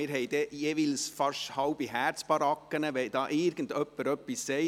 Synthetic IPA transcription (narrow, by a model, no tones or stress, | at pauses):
ɪːɾɦɛɪd̥ɛjeʋilsfɑʃhɑʊb̥iɦæːɾt͡sb̥ɑɾɑkːənəʋɛɪd̥ɑːʔɪɾɡ̥ən̩dœpːəɾœpːisːɛɪ